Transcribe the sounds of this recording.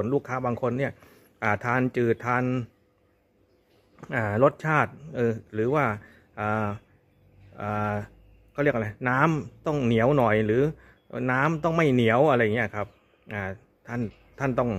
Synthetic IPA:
nluː˥˩kʰːaː˦˥baː˧ŋkʰo˧nːi˥˩ɐ | ʔaː˨˩t̪ʰaː˧nt͡ɕɯː˨˩t̪ʰaː˧n | ʔaː˨˩lo˦˥t̪̚t͡ɕʰaː˥˩t̪̚ʔɤː˧˩ɾɯː˩˦waː˥˩ | ʔaː˨˩ | ʔaː˨˩ | kʰːɾi˥˩ə˩k̚ʔla˧naː˦˥mt̪ɔ˥˩ŋni˩˦əwnɔ˨˩jɾɯː˩˦ | naː˦˥mt̪ɔ˥˩ŋma˥˩jni˩˦əwʔa˧ɾa˧jːa˨ŋi˦˥˩kʰa˦˥p̚ | ʔaː˨˩ | t̪ʰa˥˩n | t̪ʰa˥˩nt̪ɔ˥˩ŋ

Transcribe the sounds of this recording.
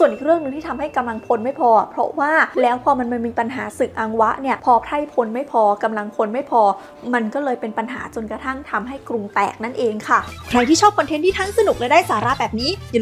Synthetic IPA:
su˨˩ənʔiː˨˩k̚ɾɯ˥˩əŋnɯ˧ŋt̪ʰiː˥˩˧mha˥˩jka˧mla˧ŋpʰo˧nma˥˩jpʰɔː˧˩pʰɾɔ̰˦˥waː˥˩lɛː˦˥wpʰɔː˧ma˧nma˧miː˧pa˧nɦa̰ː˩˦sɯ˨˩k̚ʔaː˧ŋwa˦˥ʔni˥˩ɐpʰɔː˧pʰɾa˥˩jpʰo˧nma˥˩jpʰɔː˧ka˧mla˧ŋpʰo˧nma˥˩jpʰɔː˧ | ma˧nkɔː˥˩lɤː˧jpe˧npa˧nɦaː˩˦t͡ɕo˧nka˧t̪ʰa˥˩ŋt̪ʰa˧mɦa˥˩jkɾu˧ŋt̪ɛ̰ː˨˩k̚na˥˩nʔeː˧ŋkʰa˥˩kʰɾa˧jt̪ʰiː˥˩ɔː˥˩p̚kʰɔ˧t̪ʰe˦˥nt̪iː˥t̪ʰa˦˥˩ŋsa˧nu˨˩k̚laː˧˦daː˥˩jsaː˩˦ɾaː˧˩bɛː˨˩p̚niː˦˥ja˨

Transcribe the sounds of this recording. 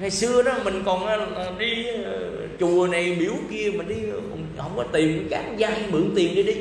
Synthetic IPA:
ŋa˨˩jsɨ˧əɗɔ˨˦mï˨˩ŋ̟kɔ˨˩nʔaː˨˧˦ɗi˧ | t͡ɕu˨˩əna˨˩jmḭ˨˧˦əwki˧əmï˨˩ŋ̟ɗi˧˨˩ | hə˧wŋ͡mkɔ˨˦t̪i˨˩ən˨˦kaː˨˦˥t̚zaː˧ʔa˧ŋmɨ˨˩˦əŋt̪i˨˩ənɗi˨˧˩ɗi˧

